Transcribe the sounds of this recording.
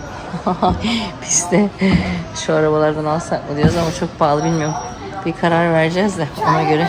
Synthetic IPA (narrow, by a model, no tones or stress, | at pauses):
hahaab̥iz̥d̪ɛ | ʃuaɾabalˠaɾd̪analˠsak̚mɯd̪ijo̞ɾuzamat͡ʃʰo̞k̚baːlˠɯbilʲmijoɾm | b̥ikʰaɾaɾvæɾd͡ʒɛzd̪ao̞naɟø̞ɾɛ